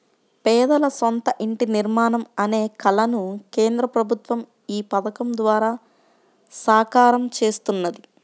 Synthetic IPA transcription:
pɛːd̪ɐlɐsont̪ɐʔiɳʈiniɾmaːnɐmɐne̞ːkɐlɐnukeːnd̪ɾɐpɾɐbʱut̪ʋɐm | iːpɐt̪ɐkɐmd̪ʋaːɾaː | saːkaːɾɐmt͡ʃe̞ːst̪unːɐd̪i

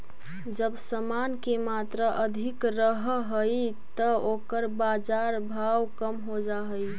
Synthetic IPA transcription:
d͡ʒəbsəmankemat̪ɾəʔəd̪ʱikɾəɦɦəj | t̪əokəɾbad͡ʒaɾbʱawkəmɦod͡ʒaɦəj

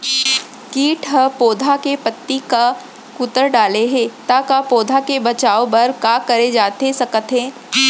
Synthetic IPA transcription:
kiːʈʰɦəpoːd̪ʱakepət̪ːika | kʊt̪əɾɖaːleɦɛ̃ːt̪akapoːd̪ʱakebɐt͡ʃaːobɐɾkaːkɐɾed͡ʒaːt̪esɐkət̪ɦɛ̃ː

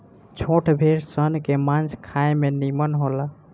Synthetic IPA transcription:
t͡ʃʰoʈʰbʱeɾsənkemãnd͡ʒʰkʰaemenimənɦola

